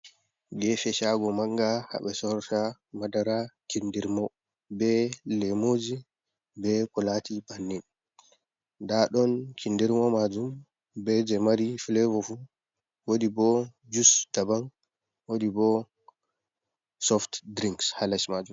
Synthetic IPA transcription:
ɡɛfɛʃaɡɔmaŋɡaha̰ɓɛsɔɾtamadaɾat͡ʃindiɾmɔ | bɛlɛmod͡ʒi | bɛkɔlatibanːin | daɗɔnt͡ʃindiɾmɔmad͡ʒum | bɛd͡ʒɛmaɾifilɛvɔfu | wodibɔd͡ʒusdaban | wodibɔ | sɔftdɾiŋkshalasmad͡ʒum

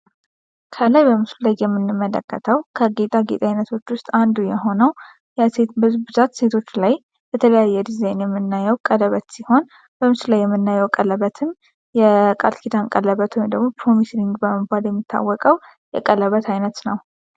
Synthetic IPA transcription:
kʰəlajbəmɨslləjjɛmːɨnːɨmːələ̰kːət̪ʰəwkʰəɡet̪ʼaɡḛt̪ʼajnət̪ʰo̞t͡ʃːwʊst̪ʼand̪ujɛɦo̞nəw | jɛse̞t̪bɨzubɨzat̪se̞t̪ʰo̞t͡ʃːlaj | bət̪ʰələjajːɛd̪izajnjɛmːɨnːajɛwkʼələβət̪siho̞n | b̥əmɨslajːɛmːɨnːajɛwkʼələβət̪ʰɨn | jɛkʼa̰lkʰid̪ankʼələβət̪ʰuwjmd̪əɡmopɾo̞misɾiŋɡbəməɡʷaljɛmːit̪ʰːa̰wːɔkʼəw | jɛ̰kʼələβət̪ʰajnət̪nəw

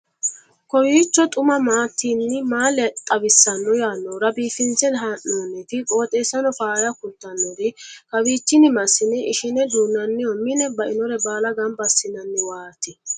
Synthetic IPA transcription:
kɔwiːt͡ʃːɔt̪ʼʊmɐmaːt̪ːiːnːɪmaːlɛt̪ʼɐwɪsːɐnːɔjaːnːɔɾɐbiːfɪnt͡sɛd̪ɦaʔːoːnːɛt̪ɪkʼo̞ːt̪ʼe̞ːsːɐnɔfaːjɐkʊlt̪ːɐnːɔɾɪkɐwiːt͡ʃːɪnɪmɐsːɪnɛʔɪʃɪnɛd̪uːnːɐnːɪjɔmɪnɛbɐʔɪnɔɾɛbaːlɐɡɐmbɐsːɪnɐnːɪwaːt̪ːɪ

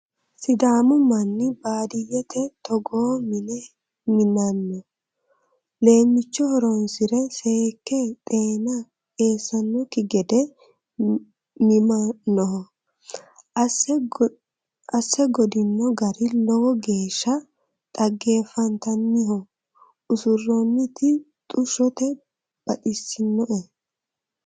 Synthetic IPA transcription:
sɪd̪aːmʊmɐnːɪbaːd̪ɪjɛt̪ʰɛt̪ɔɡoːmɪnɛ | mɪnɐnːɔ | le̞ːmːɪt͡ʃːɔhɔɾɔnsɪɾɛseːkːɛt̪ʼeːnɐ | e̞ːsːɐnːɔkɪɡɛd̪ɛ | mɪmɐnːɔɦɔ | ɐsːɛɡɔd̪ɪnːɔɡɐɾɪlɔwɔɡe̞ːʃːɐ | t̪ʼɐɡːe̞ːfɐnt̪ɐnːɪhɔ | ʊsʊrːɔnːɪt̪ɪ | t̪ʼʊʃɔt̪ɛ | b̥ɐtɪsɪnːɔʔɛ

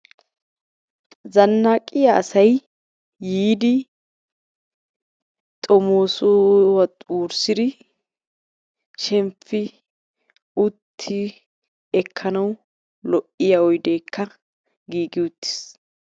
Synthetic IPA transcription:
zɐnːaːkʼɪjaʔɐsɐjː | iːd̪ɪ | t̪ʼɔmoːsowɐtʼuːɾsɪd̪ɪ | ʃɛmfɪ | ʊt̪ʰːɪ | ɛkʰːɐnɐw | lɔʔɪjɐɔjd̪eːkʰːɐ | ɡiːɡɪʊt̪ːɪ̥s

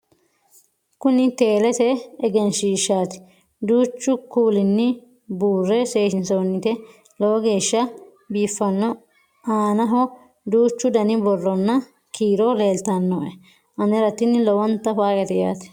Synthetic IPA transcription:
kʊnɪt̪eːlɛt̪ɛːɡɛnʃiːʃːaːt̪ɪ̥ | d̪uːt͡ʃːʊkuːlɪnːɪ | buːrːɛse̞ːʃɪnsonːɪt̪ɛ | lɔwɔɡe̞ːʃːɐ | biːfːɐnːɔ | aːnɐɦɔ | d̪uːt͡ʃːʊd̪ɐnɪbɔrːɔnːɐ | kʰiːɾole̞ːlt̪ɐnːoʔɛ | ʔɐnɛɾɐt̪ːɪnːlɔwɔnt̪ːɐfaːɡɛt̪ɛja̰ːt̪ɪ̥

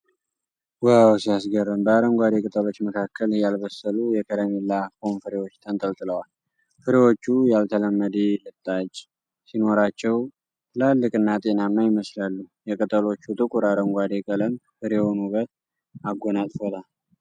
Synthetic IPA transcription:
wawsijasɡərːɨmbəaɾəŋɡʷad̪ekʼɨt̪ʼəlo̞t͡ʃːməkʰakʰːəljalbəsəlujɛkʰəɾəmilːafomfɨɾewot͡ʃːt̪ʰənt̪ʼəlt̪ʼɨləwal | fɨɾewo̞t͡ʃːujalt̪ʰələmːəd̪elɨt̪ʼːat͡ʃʼː | sino̞ɾat͡ʃːɛw | t̪ʰɨlalːɨkʼɨnːat̪ʼe̞namnːajɪməslalːujɛkʼɨt̪ʼəlo̞t͡ʃːut̪ʼɨkʼuɾaɾəŋɡʷad̪ekʼələmfɨɾehonuβət̪ | aɡʷːonat̪ʼfot̪ʰal

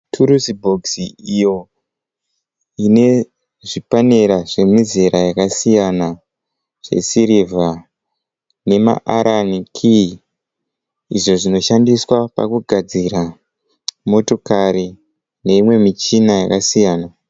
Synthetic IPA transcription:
tʰuɾusibʱo̞ɡsiijo̞ | ine̞ | ʐipane̞ɾaʐe̞mizeɾajakasijana | ʐ̥e̞̰siɾiva | ne̞ma̰ʔaɾʔanikʰi | ḭʐo̞ʐino̞ʃandiswapa̰kuɡʱad͡ziɾa | mo̞to̞kari | ne̞imwe̞mit͡ʃinajakasijaːna

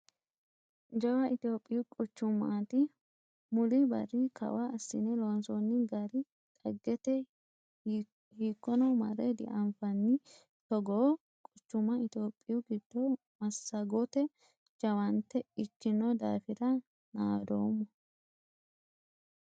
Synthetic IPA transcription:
d͡ʒɐwɐʔɪt̪oːpʼːɪjʊkʼʊt͡ʃːʊmːat̪ɪ | mʊlɪbɐ̰rɪkʰɐ̰waːsːɪ̰nɛlonsɔnːɪɡɐɾɪ | t̪ʼɐɡːɛt̪ɛ | hiːkːɔnɔmɐɾɛd̪ɪ̰ʔɐmfɐnːɪ | t̪ɔɡoː | kʼʊt͡ʃːʊmɐɪt̪oːpʼːɪjʊɡɪd̪̥ːɔ | mɐsːɐɡɔt̪ɛ | d͡ʒɐwɐnt̪ːɛɪt͡ʃːɪnːɔd̪a̰ːfɪɾɐ | naːd̪oːmːɔ

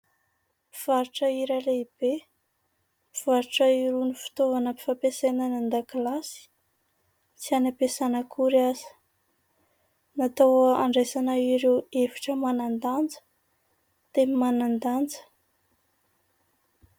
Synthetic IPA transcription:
iv̥aɾuʈ͡ʂəiɾaleib̥e | iv̥aɾiʈ͡ʂəiɾunifi̥t̪ovanəpi̥fapesenanand̪aklasi̥ | t͡sianapesanəkʰuɾiazə̥ | nat̪awəaɳɖ͡ʐesanaiɾewevi̥ʈ͡ʂəmanand̪and͡zə̥ | t̪emimanand̪and͡zə̥

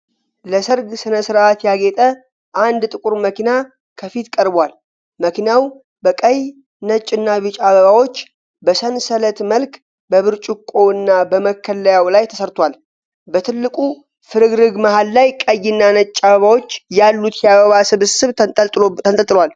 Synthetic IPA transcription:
ləsəɾɡsɨnəsɨɾat̪jaɡet̪ʼə | ʔand̪t̪ʼɨkʼuɾməkina | kʰəfit̪kʼəɾbwal | məkinjaw | bəkʼəj | nət͡ʃʼːɨnːaβɨt͡ʃʼaβəβawo̞t͡ʃː | bəsənsələt̪məlk | bəβɨɾt͡ʃʼukʼo̞ɨnːabəməkʰːəlːəjawlajt̪ʰə̥səɾt̪ʰwʷal | bət̪ʰɨlːɨkʼu | fɨɾɨɡɾɨɡmahalːajkʼəjːɪnːanət͡ʃʼːaβəβawo̞t͡ʃːjalːut̪jaβəβasɨβɨsɨβʼʰ | ət̪ʼt̪ʼɨlwal

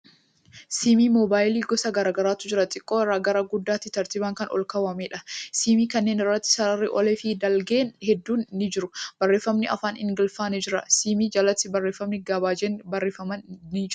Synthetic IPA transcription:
siːmiːmɔbaːjliːɡɔsɐɡɐɾaːɡɐɾaːt̪ʊd͡ʒɪɾɐt̪ʼɪkʼːoːɪraːɡɐɾaɡʊd̪ːaːt̪ːɪt̪ɐɾt̪iːbaːŋkɐnɔ̰lkɐwɐmeːᶑɐsiːmiːkɐnːe̞ːnɪrːɐt̪ːɪ̥sɐɾɐrːɪʔɔlɛfɪd̪ɐlɡeːnhɛd̪ːuːnːɪd͡ʒɪɾʊbɐrːe̞ːfːɐmnɪʔɐ̰faːnɪ̰ŋɡɪlfaːnɛd͡ʒɪɾɐ̰siːmiːd͡ʒɐlɐt̪sɪbɐrːe̞ːfːɐmnɪɡɐbaːd͡ʒeːnbɐrːeːfɐmɐnnɪd͡ʒ

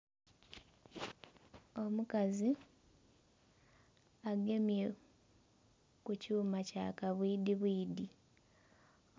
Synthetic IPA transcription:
o̞mukazi | aɡe̞mje̞ | kucuːmaca̰kaβwiːdiβwiːdi

